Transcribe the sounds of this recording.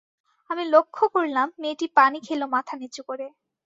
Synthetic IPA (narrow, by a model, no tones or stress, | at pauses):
amilokʰːokoɾlamːeʈipanikʰelomat̪ʰanet͡ɕukoɾe